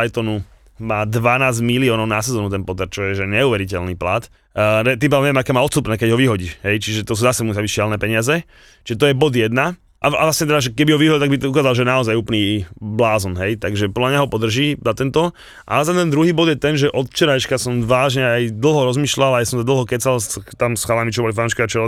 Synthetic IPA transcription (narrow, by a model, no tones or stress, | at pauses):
ajt̪ɔnu | maːd̪ʋanaːzɟmiliɔːnɔʊnasɛzɔːnut̪ɛnpɔt̪ɛɾt͡ʃɔjɛʒɛɲɛuːʋɛɾicɛlniːpla̰t̪ | ɾɛt̪̬imp̬aʋɛmɲɛmakɛːmaːɔt̪st̪upnɛːkɛɟɦɔʋiɦɔɟiːʃɦɛjt͡ʃiʒɛt̪ɔs̬uːzasɛmusaʋiʃɪalnɛːpɛɲɪazɛ | t͡ʃi̥ʒɛt̪ɔjɛbɔd̪jɛd̪na | ʔaa̰lasɲɛt̪ɛd̪aʒɛkɛbiɦɔʋiɦɔɟilt̪aɡbit̪ukaːzalʒɛjɛnaɔzajuːplniːblaːzɔnɦɛjt̪aɡʒɛpɔd̪lamɲaɦɔpɔd̪r̩ʒiːzat̪ɛnt̪ɔ | ʔa̰lɛt̪ɛmt̪ɛnd̪ɾuɦiːbɔd̪jɛt̪ɛnʒɛʔɔt̪ft͡ʃɛɾajt͡ʃkasɔmʋaːʒɲɛajd̪l̩ɦɔɾɔzmiːʃlalajasɔmsad̪l̩ˠɦɔkɛsalst̪amsxalamit͡ʃɔbɔlifanuʃkiat͡ʃɔɾɔ